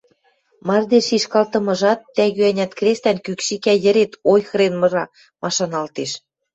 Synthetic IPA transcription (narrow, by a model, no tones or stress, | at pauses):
mɑrd̪eʃiʃkɑlt̪ɤ̆mɤ̆ʒɑt̪ːæɣyænʲæt̪krʲest̪ænkykʃikæjə̆ɾet̪ojxɤɾenmɤ̆ʒɑ | mʔɑʃɑnɑlt̪eʃ